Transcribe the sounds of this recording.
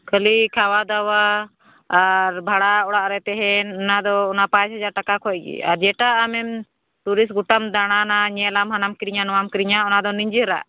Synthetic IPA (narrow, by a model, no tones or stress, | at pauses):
kʰəlikʰawad̪awaː | ɾbʱaɽaɔɽaʔɾɛt̪ɛɦɛnɔnad̪ɔːnapãt͡ʃɦad͡ʒaɾʈakakʰɔʔ̚ɡḭa̰ɾd͡ʒɛʈaʔːmɛm | t̪uɾis̬ɡuʈamd̪aɽ̃anaɲɛlamɦanamkɾiɲanɔamkɾiɲaɔnad̪ɔniɲd͡ʒəɾa̰ʔ